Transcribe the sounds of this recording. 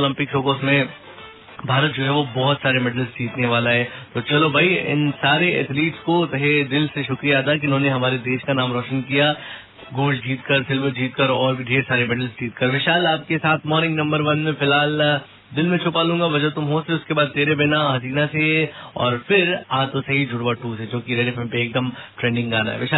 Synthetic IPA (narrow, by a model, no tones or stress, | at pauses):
olɐ̃mpɪkɾoːkoːsmẽ | bʱaːɾət̪̚d͡ʒoːɦɛʋobɔɦʊt̪saːɾemɛɖəlsd͡ʒiːt̪neʋaːlaɦɛːt̪oːt͡ʃɐlobʱaiɪ̰nsaːɾeɛ̰t̪ʰliːʈskot̪ɐɦed̪ɪlseʃʊkɾijaaːt̪ak̬iɪʊnɦõːneɦɐmaːɾed̪eːʃkanaːmɾɔːʃənkija | ɡuːd͡ʒd͡ʒiːt̪kɐɾsɪlbd͡ʒiːt̪kɐɾɔːɾbʱiɖʱeːsaːɾebɛʈəlsd͡ʒiːt̪kɐɾʋɪʃaːlaːp̚kesaːt̪ʰmɔːɾnɪ̃ŋɡnɐ̃mbəɾʋɐnmẽfɪlɦaːl | d̪ɪlmẽt͡ʃʰʊpaːlũːŋɡabɐd͡ʒət̪ʊmɦoːseʊskebaːd̪̚t̪eːɾebɪnaɦɐziːnaseɛɔ̰ːɾfɪɾaːt̪osɐɦid͡ʒʱʊɽʋaʈuːsed͡ʒõːkiɾeːɖefẽmpeːk̚d̪ɐmʈɾẽːɳɖɪ̃ŋɡaːna̰ɦɛ̰ʋɪʃaː